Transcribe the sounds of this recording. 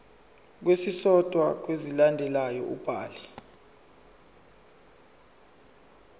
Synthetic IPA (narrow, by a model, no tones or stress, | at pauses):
k̬wesisɔd̥ʱwak̬wezilandʱɛlajɔʔub̥ʱaːlɛ